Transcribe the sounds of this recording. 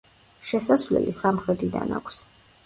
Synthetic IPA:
ʃɛsasvlɛ̰lʔisamχɾɛt̪ʰid̪a̰na̰kʷʰs

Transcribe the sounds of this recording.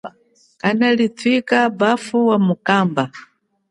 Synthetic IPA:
analitʰwikabafuwamukaːmba

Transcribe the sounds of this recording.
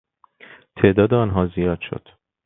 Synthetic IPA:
t̪ʰe̞ʔd̪ɒːd̪eɒnɦɒːzijɒːd̪̥ʃo̰d̪̥

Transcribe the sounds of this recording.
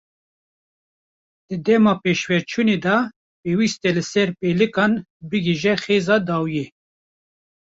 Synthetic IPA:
d̪̥ɨd̪ɛmɑːpeːʃwɛɾt͡ʃʰuneːd̪ɑ | peːwist̪ɛlɨsɛɾpeːlɨkɑːnbɨɡiʒɛxeːzɑːd̪ɑːwije

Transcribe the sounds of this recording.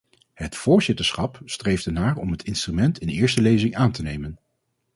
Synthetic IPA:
hətfʊːɹzɪtəɹsχɑpstrejvdənaːrɔ̰mɦətʰɪnstrymɛntɪnɪːɹstəlejzɪŋaːntənejmən

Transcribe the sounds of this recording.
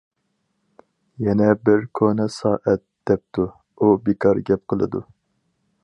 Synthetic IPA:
jɛnɛbɪɾkʰonɛsɑːʔɛt̪̚d̪̥ɛp̚t̪ʰu | ubikʰɑɾɡʲɛp̚qʰəlˠɨ̰d̪u

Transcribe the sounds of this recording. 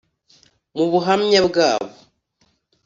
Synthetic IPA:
muβuɦamɲabɡaːβo

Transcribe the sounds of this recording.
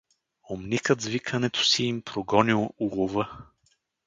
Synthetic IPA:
omnikəd̪zvikʰənɛt̪ʰo̥siːmpɾoɡɔnilˠulˠovə

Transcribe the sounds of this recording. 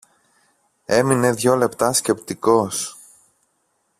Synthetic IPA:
e̞mine̞ðʝo̞le̞pt̪ɐsce̞pt̪iko̞s

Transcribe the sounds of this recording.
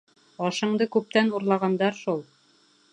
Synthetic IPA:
ɒʃɤ̆ɴd̪ɤkʉp̚t̪ænuɾlˠɑʁɑnd̪ɑɾʃulˠ

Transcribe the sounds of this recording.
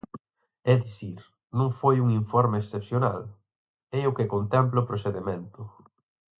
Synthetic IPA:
ɛðiθiɾ | nũŋfojuŋiɱfɔɾmeːsθepθjona̰l | ɛʊkekont̪ɛmplʊpɾoseðemẽnt̪ʊ

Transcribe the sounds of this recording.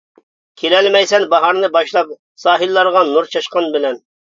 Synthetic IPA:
kʲʰelɛlmɛjsɛnbɑɦɑɾnɨbɑʃlˠɑp̚ | sɑːɦilːɑɾʁɑnuɾt͡ʃʰɑʃqɑnbɪlɛn

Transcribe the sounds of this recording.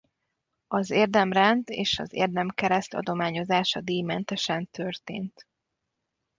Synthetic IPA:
ɒzeːrd̪ɛmrɛnd̪eːʃɒ̰zḛːrd̪ɛmkɛɾɛst̪ɒ̰d̪o̞maːɲo̞zaːʃɒd̪iːjmɛnt̪ɛʃɛnt̪ørt̪ḛːnt̪

